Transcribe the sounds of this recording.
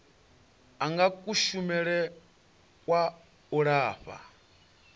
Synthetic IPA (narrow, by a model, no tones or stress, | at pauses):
aŋɡakʼuʃumɛɺɛ | kʼwa | uɺaːɸa̰